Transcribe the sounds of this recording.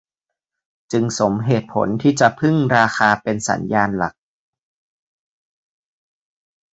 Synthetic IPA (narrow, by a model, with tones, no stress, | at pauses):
t͡ɕɯ˧ŋso˩˦mɦeː˨˩t̪̚pʰo̰˩˦nt̪ʰiː˥˩t͡ɕa˨˩ʔpʰɯ˥˩ŋɾaː˧xaː˧pe˧nsa̰˩˦njaː˧nla̰˨˩k̚